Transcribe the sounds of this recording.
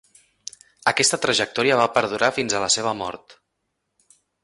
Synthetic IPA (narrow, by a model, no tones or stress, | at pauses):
əkɛst̪ət̪ɾəʒək̚t̪ɔɾiəβapəɾðuɾafinzələseβ̞əmɔ̰ɾt̪